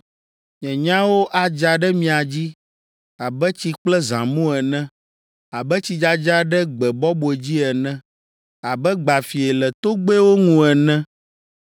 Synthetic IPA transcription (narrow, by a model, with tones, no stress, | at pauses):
ɲɛ̃˨ɲã˦wo˦ʔa˨d͡ʒa˨ɖɛ˦mĩ˨a˨d͡ʑi˦ | a˨bɛ˦t͡ɕi˨k͡plɛ˦zã̰˨mũ˦ɛ˨nɛ̃˦ | a˨bɛ˦t͡ɕi˨d͡ʒa˦d͡ʒa˦ɖɛ˦ɡ͡bɛ˨bɔ˦bo˨e˨d͡ʑi˦ɛ˨nɛ̃˦ | a˨bɛ˦ɡ͡ba˨fi˨ɛ˨lɛ˨t̪o˦ɡ͡be˦wo˦ŋũ˨ɛ˨nɛ̃˦